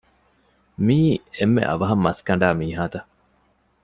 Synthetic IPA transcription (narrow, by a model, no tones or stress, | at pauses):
miːemːḛʔɐ̰ʋɐɦɐmːɐskɐɳ̆ɖaːmiːɦaːt̪ɐ